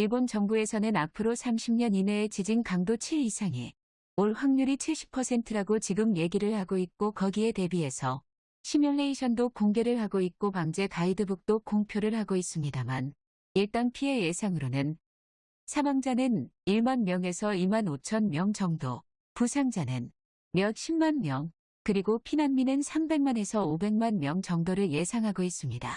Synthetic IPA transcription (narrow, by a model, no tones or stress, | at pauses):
iɭbont͡ɕʌŋbue̞sʰʌnɯnapʰɯɾosʰamɕʰimɲʌnine̞ːt͡ɕid͡ʑinkaŋdot͡ɕʰeisʰaŋi | oɭɸwaŋɲuɾit͡ɕʰiɭɕ͈ʰi̥pʰːʌsʰe̞ntʰɯɾaɡot͡ɕiɡɯmje̞ɡiɾɯɭhaɡoik̚k͈okʌɡie̞te̞bie̞sʰʌ | ɕʰimjʌnːeiɕʰʌndokoŋɡe̞ɾɯɭhaɡoik̚k͈opaŋd͡ʑe̞kaidɯbuk̚t͈okoŋpʰjoɾɯɭhaɡois͈ɯmɲidaman | iɭt͈aŋpʰie̞je̞sʰaŋɯɾonɯn | sʰamaŋd͡ʑanɯniɭmanmjʌŋe̞sʰʌimanot͡ɕʰʌnmjʌŋt͡ɕʌŋdo | pusʰaŋd͡ʑanɯn | mjʌk̚ɕʰimːanmjʌŋ | kɯɾiɡopʰinanminɯnsʰambe̞ŋmane̞sʰʌobe̞ŋmanmjʌŋt͡ɕʌŋdoɾɯɭje̞sʰaŋɦaɡois͈ɯmɲida